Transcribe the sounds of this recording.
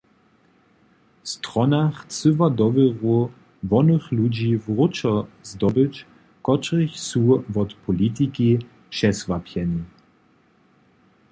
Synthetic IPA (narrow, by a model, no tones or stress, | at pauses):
st̪ʁɔnaχt͡sɨvad̪ɔvəʁu | vɔnəxlud͡ʑivʁʊt͡ʃɔzd̪ɔbət͡ɕ | kɔt͡ʃʁiçsuvɔt̪pʰɔlit̪̬iki | ʃɛsvapʰjɛnʲi